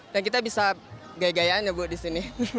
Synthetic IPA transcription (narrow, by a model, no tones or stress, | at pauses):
dankit̪abisa | ɡajaɡajanɲabut̪̚disini